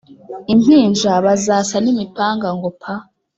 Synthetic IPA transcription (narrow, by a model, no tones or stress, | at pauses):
in̥hiːnʒaβazaːsanimipaːŋɡaŋɡopʰa